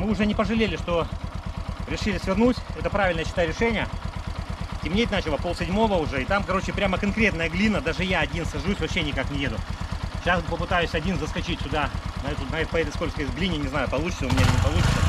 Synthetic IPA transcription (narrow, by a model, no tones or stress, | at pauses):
mɨʊʐɛnʲɪpəʐɨlʲelʲɪʂt̪o̞ | ɾʲɪʂɨlʲɪsvʲɪrnutʲɛt̪əpɾavʲɪlʲnəjəɕɪt̪aɾʲɪʂɛnʲɪjə | tʲɪmnʲet̪̚ʲnat͡ɕɪlˠəpolˠsʲɪdʲmo̞vəʊʐɛɪt̪amkɐɾo̞t͡ɕɪpɾʲaməkɐnkɾʲe̞t̪nəjəɡlʲinːəd̪aʐɨjaɐdʲinsɐʐusʲvɐpɕːenʲɪkaknʲɪjed̪ʊɕaspəpɨt̪ajʊsʲɐdʲinzəskɐt͡ɕitʲt̪ʲʊd̪aɐɛt̪ʊzajɪt̪pɐjed̪ətʲskolʲkskəesʲɡlʲinʲɪnʲɪznajʊpɐlˠut͡ɕɪ̥səʊmʲɪnʲat̪nʲɪpɐlˠut͡ɕʲɪt̪sə